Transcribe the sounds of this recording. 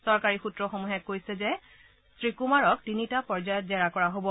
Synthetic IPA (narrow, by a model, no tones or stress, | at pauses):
sɔɹkaɹixutɹɔxomuɦɛkːojsɛzɛ | sɹikumaɹɔk̚tinitapɔɹzajɔtzɛɹakɔɹaɦobɔ